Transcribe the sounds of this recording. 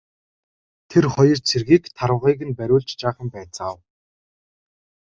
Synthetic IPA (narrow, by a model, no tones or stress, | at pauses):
t̪ʰerχɔjɞ̆rt͡sʰerɣiːkt̪ʰaɾwə̆ʁiːɣɘ̆npæɾʲʊːɮt͡ɕt͡ɕaːχə̆mpæːt͡səaw